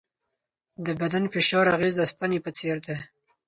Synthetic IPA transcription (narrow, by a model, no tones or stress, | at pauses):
d̪əbad̪anfɪʃɑɾaɣezd̪ast̪anepət͡seɾd̪e